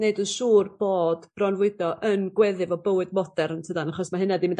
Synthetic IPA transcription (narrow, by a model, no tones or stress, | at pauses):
neɨdənʃuːrb̥oːd̥b̥rɔnvʊɨdɔʔənɡwɛðɨvɔbəwɨdmɔdɛrntʰədanaχɔsmaɦɨnadimɪnd